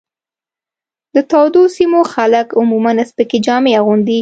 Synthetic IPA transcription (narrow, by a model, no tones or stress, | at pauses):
d̪̥ət̪ɑwd̪osimoxaləkʊmumanaspəked͡ʒɑmeaɣund̪i